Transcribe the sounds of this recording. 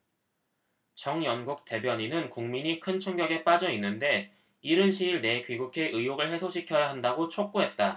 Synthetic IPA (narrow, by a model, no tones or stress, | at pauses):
t͡ɕʌŋjʌnɡuk̚t͈e̞bjʌɲinɯnkuŋmiɲikʰɯnt͡ɕʰʌŋɡjʌɡe̞p͈ad͡ʑʌinːɯnde̞ | iɾɯnɕʰiiɭne̞kɥiɡukʰe̞ʔɯjjoɡɯɭhe̞sʰoɕʰikʰjʌjaɦandaɡot͡ɕʰok̚k͈uɦe̞t̚t͈a